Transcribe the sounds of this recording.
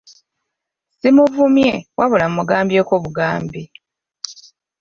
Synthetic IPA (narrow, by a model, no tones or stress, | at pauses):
simuvumjewʔaβulammuɡaːmbjeːkoːβuɡaːmbi